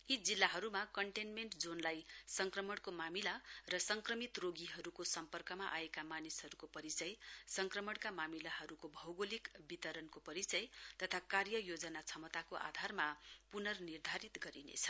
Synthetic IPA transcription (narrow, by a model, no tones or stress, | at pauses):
id͡zilːaɦʌɾumakʌɳʈenmeɳʈd͡zonlajsʌŋkrʌmʌɽkomamilarʌsʌŋkrʌmit̪roɡiɦʌɾukosʌmpʌrkʌmaʔaekamanishʌɾukopʌɾisʌjsʌŋkrʌmʌɽkamamilaɦʌɾukobʱʌwɡolikbit̪ʌɾʌnkopʌɾisʌjt̪ʌt̪ʰakarjʌjod͡zʌnat͡sʰʌmʌt̪akoʔa̰d̪ʱarmapunʌrnird̪ʱaɾit̪ɡʌɾinḛt͡sʰʌ̥